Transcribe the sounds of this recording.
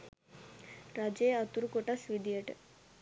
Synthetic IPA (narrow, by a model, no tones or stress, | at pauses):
ɾɐd͡ʒeːɐt̪uɾukoʈasʋid̪ijeʈ